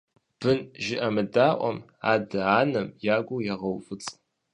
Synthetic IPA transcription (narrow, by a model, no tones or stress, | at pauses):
b̥ɨnʒɪʔɐmɨdaːʔʷɔ̰m | a̰ːdɐaːnɐmjaːɡʷʊwjaʁɐwfɨt͡sʼ